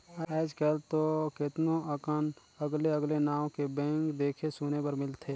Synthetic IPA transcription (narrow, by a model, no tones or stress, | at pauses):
ɛːd͡ʒkəlt̪okɪt̪noəkən | əɡleəɡlenaːw̃kebɛ̃ːŋkd̪eːkʰesuːnepəɾmɪlt̪ʰeː